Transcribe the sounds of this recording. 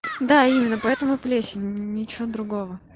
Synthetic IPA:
d̪aimʲɪnːəpɐɛt̪əmʊplʲesʲɪnʲɪt͡ɕɪʋod̪ɾʊɡo̞və

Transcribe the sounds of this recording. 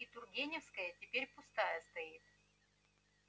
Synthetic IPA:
it̪ʊrɡʲenʲɪfskəjətʲɪpʲeɾʲpʊst̪ajəst̪ɐit̪̚

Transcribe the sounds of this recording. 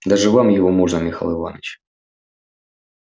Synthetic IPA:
d̪aʐɨvamjɪvomuʐnəmʲɪxa̰lˠɨva̰nə̰t͡ɕ

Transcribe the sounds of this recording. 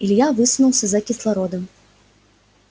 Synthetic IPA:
ilʲjavɨsunuwsʲɐzɐkʲislˠaɾɔd̪ɐm

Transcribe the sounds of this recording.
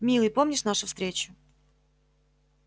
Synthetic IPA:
mʲilˠəjpo̞mnʲɪʂnaʂʊfst̪ɾʲet͡ɕʊ̥

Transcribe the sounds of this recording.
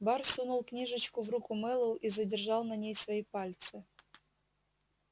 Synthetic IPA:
barsunʊlˠknʲiʐɨt͡ɕkʊvrukʊmɛlˠɨlˠizədʲɪrʐɑlˠnɐnʲejsvɐipalʲt̪sɨ

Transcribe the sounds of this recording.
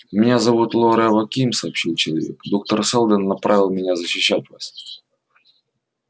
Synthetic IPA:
mʲɪnʲazɐvut̪lˠoɾɛvɐkʲimsɐːpɕilˠt͡ɕɪlˠɐvʲḛkd̪o̞k̚t̪ərsɛlˠd̪ənːɐpɾavʲɪlˠmʲɪnʲazəɕːɪɕːætʲvasʲ

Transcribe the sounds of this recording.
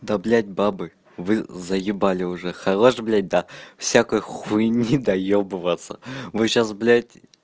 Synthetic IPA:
d̪ablʲatʲbabɨ | vɨzɐjɪbalʲɪʊʐɛxɐʁoʂɨblʲat̚ʲd̪afsʲakojxunʲid̪ɐjobɨvat̪sɐ̰vɨɕasblʲat̚ʲ

